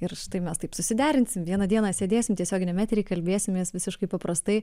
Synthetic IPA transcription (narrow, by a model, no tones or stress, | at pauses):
ɪɾʃʲɪ̥t̪ɐɪmʲɛst̪ɐɪpsʊsʲɪd̪ʲæːɾʲɪnʲsʲɪmʋʲiɛnɐd̪ʲiɛnɐːsʲeːd̪ʲeːsʲɪmt̪ʲiɛsʲoːɡʲɪnʲɛmʲæːt̪ʲɾʲiɪkɐlʲbʲeːsʲɪmʲmʲeːsʋʲɪsʲɪʃkɐɪpɐpɾɐst̪ɐɪ